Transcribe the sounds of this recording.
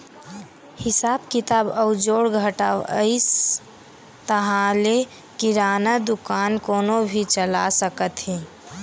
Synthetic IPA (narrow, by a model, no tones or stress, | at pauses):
hɪsabkit̪abəʊd͡ʒoɽɡʱəʈawə̰ɪs | t̪əɦãle | kiɾaːnəd̪ukankoːnobʱit͡ʃəlasəkət̪ɦĩ